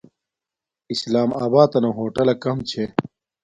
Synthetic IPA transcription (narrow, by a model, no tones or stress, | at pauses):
islaːmaːbaːt̪ɐnoɦoːʈɐlɐkɐmt͡ɕʰe